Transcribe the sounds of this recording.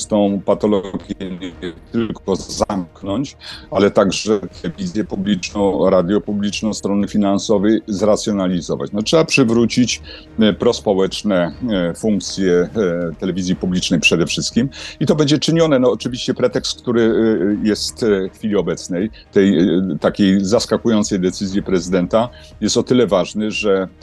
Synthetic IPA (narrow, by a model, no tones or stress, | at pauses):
st̪ɔ̃w̃pat̪ɔlɔɡʲjɛɲɛɛt̪ɘlkɔzamknɔɲt͡ɕalɛt̪aɡʐɛt̪ʰɛɛvʲizʲjɛpublʲinɔ̃w̃ɾad̪ʲjɔpublʲit͡ʂnɔ̃w̃st̪ɾɔnɘfʲinansɔvɛjzɾat̪sʲjɔnalʲizɔva̰t͡ɕnɔtʂɛbapʂɘvɾut͡ɕit͡ɕ | pɾɔspɔwɛt͡ʂnɛfuŋk̚t̪sʲjɛt̪ɛlɛvʲizʲjipublʲit͡ʂnɛjpʂɛd̪ɛfʂɘst̪̚kʲimit̪ɔbɛɲd͡ʑɛt͡ʂɘɲɔnɛnɔːt͡ʂɘvʲiɕt͡ɕɛpɾɛt̪ɛkst̪̚kt̪uɾɘjɛst̪xfʲilʲiɔbɛt̪snɛj | t̪ɛjt̪akʲejzaskakujɔnt̪sɛjd̪ɛt̪sɘzʲjɛpɾɛzɘd̪ɛnt̪a | jɛst̪ɔt̪ɘlɛvaʐnɘʐɛ